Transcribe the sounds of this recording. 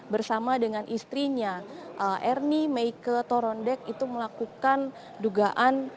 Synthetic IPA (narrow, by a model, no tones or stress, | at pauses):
bərsamadəŋanʔist̪ɾiɲaʔəʔɛrnimeikət̪oɾɔndɛkit̪uməlakukan | duɡaʔan